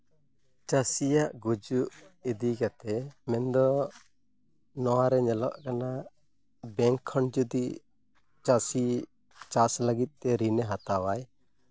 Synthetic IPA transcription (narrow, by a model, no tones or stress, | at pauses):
t͡ʃasijaʔɡud͡ʒuʔid̪iɡat̪ɛmɛnd̪ɔ | nɔwaɾɛɲɛlɔʔkana | bɛŋkʰːəɳd͡ʒud̪i | t͡ʃasi | t͡ʃasləɡit̪̚ˀt̪ɛɾinɛɦat̪awaj